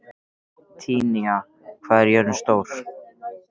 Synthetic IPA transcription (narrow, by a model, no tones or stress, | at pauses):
t̪ʰiːnia | kʰvaːðɛɾjœɾʏnst̪oːwɾ̥